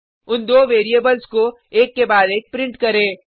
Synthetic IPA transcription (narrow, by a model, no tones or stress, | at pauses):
ʊnd̪oːʋeːɾieːbəlsko | eːkːebaːd̪eːk̚pɾɪ̃ɳʈkɐɾẽː